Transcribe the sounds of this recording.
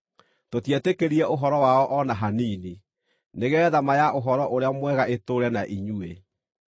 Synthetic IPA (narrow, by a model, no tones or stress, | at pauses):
totjɛtekeɾiɛʔoɦɔɾɔwaɔʔɔnaɦaniːni | neɣɛːðamajaʔoɦɔɾɔʔoɾeamwɛɣaʔetoɾɛnaʔiɲue